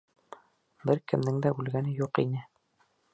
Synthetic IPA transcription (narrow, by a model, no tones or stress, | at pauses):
bɘɾkɘ̆mnɘŋd̪æʉlɡænɘjuqḭnɘ